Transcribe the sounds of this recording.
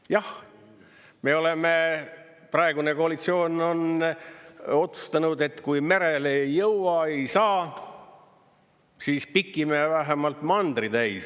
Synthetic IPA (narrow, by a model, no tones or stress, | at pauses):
jɑh | me̞o̞leme̞ | prɑe̞ɡune̞ko̞ɑlit̪sio̞ːno̞n | o̞t̪su̥st̪ɑnud̪e̞t̪kujme̞ɾelejːɤwɑe̞jsɑː | siːspikːˑimevæɦemɑlt̪mɑnd̪̥rit̪æjs